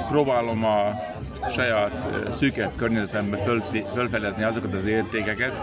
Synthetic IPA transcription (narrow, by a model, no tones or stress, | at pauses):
proːbaːlo̞mɒ | ʃɒjaːt̪syːkɛpkørɲɛzɛt̪ɛmbɛøfølfɛd̪ɛzniɒzo̞kɒt̪ɒzeːrt̪eːkɛkɛt̪